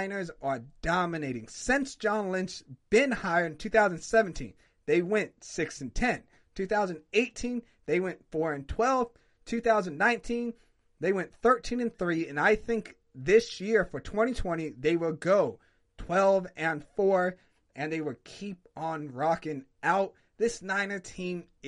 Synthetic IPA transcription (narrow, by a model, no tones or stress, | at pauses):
ɪ̃nə˞zə˞d̥ɑmɨneɪɾɪ̃ŋsɪ̃nsd̥ʒ̥ɑ̃nlɪ̃nt͡ʃb̥ɪ̃nhaɪə˞ɾɨ̃n̩tʰʉθaʊz̃nsɛvn̩tʰḭ̃n | ðeɪwɛ̃ntsɪksɨ̃n̩tʰɛ̃n | tʰʉθaʊzɨ̃ndeɪtʰĩn | ðeɪwɛ̃ntfɔɹɨ̃ntʰw̥ɛlˠv̥ | tʰʉθaʊzɨ̃nnãɪ̃ntʰĩn | ðeɪwɛ̃nθɜ˞tʰĩnɨ̃nθɹiɨ̃naɪθɪ̃ŋk | ðɪsjɪɹfə˞tʰw̥ɛ̃ɾ̃itʰw̥ɛ̃ɾ̃iðeɪwɪlˠɡoʊ | tʰw̥ɛlˠvɨ̃nfɔɹ | ʔɨ̃nðeɪwəlˠkʰip̚ə̃n̩ɹɑkɨ̃naʊt̪̚ | ðɪsnãɪ̃nə˞tʰĩm